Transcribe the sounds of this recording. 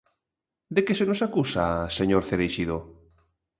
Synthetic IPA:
d̪ekesenosakusaseɲoɾθeɾejʃiðo

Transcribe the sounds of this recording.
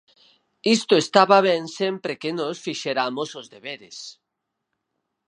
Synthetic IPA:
ist̪oest̪aβaβ̞ɛnsempɾekenosfiʃeɾamosozðeβeɾḛs

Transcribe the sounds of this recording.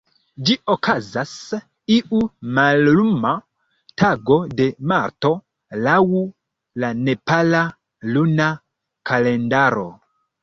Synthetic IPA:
d͡ʒiokʰazas | iʔumalluma | taɡo̞de̞maɾto̞ | lawu | lane̞pala | luna | kʰale̞ndaɾo̞̰

